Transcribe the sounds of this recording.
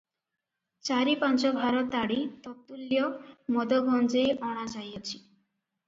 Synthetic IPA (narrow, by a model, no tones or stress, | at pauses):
t͡ʃaɾipant͡ʃɔbʱaɾɔt̪aɽit̪ɔt̪ulːjɔmɔd̪ɔɡɔnd͡ʒejʔɔɽ̃ad͡ʒajɔt͡ʃʰi̥